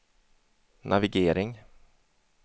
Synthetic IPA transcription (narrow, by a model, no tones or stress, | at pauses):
nʔavɪɡeːɾɪŋ